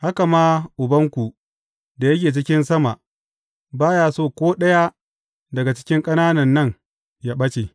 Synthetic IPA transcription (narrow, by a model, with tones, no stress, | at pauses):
ha˦ka˨maː˦ʔʊ˨bɐ˦ŋkʷu˨ | da˨jɐ˦k̬ʲeː˨t͡ʃɪ˦kʲɪ˦nsɐ˦ma˨ʔ | baː˦jaː˨soː˦kʷoː˦ɗɐ˦ja˦ | dɐ˨ɡa˨t͡ʃɪ̥˦kʲɪ˦ŋkʼɐ˦naː˦nɐ˨nːɐ˦˨ŋ | jaː˦ɓɐ˦t͡ʃe˨